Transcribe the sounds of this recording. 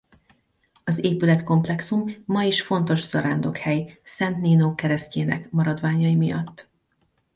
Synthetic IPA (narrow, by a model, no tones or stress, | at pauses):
ɒzeːpylɛt̪ko̞mplɛksumːɒiʃfo̞nt̪o̞ʒz̥ɒɾaːnd̪o̞khɛjsɛnt̪niːnoːkɛɾɛsceːnɛ̰kmɒɾɒd̪vaːɲɒjimijɒ̰t̪ː